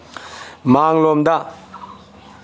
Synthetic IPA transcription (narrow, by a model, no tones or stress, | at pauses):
maŋlɔmd̪a